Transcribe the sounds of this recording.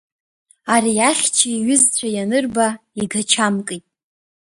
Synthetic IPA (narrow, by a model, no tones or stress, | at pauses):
aɾiaχʲt͡ʃʰaiɥʏzt͡ɕʷʰajanɨrbaiɡat͡ʃʰamkʼɨtʼ